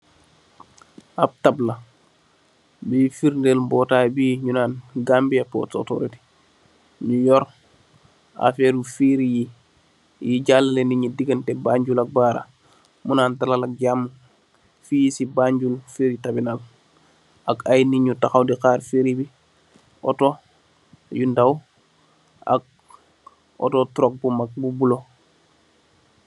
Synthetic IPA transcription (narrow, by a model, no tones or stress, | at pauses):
ab̚tabla | bifiɾndelmbɔːtabiːɲunaːnɡambiapːo̰to̰to̰ɾiti̥ | ɲujɔɾ | a̰feɾufiɾiji | jiɟalaleniɲudiɡəntɛbaːɲɟulak̚baːɾa̰ | munaːntalalak̚ɟamːu | fijisibaɲɟulfiːɾitabinal | akajniɲutaxawdixaːɾfiɾibi | o̰to | jundaw | a̰k̚ | o̰totuɾok̚bumak̚bubulo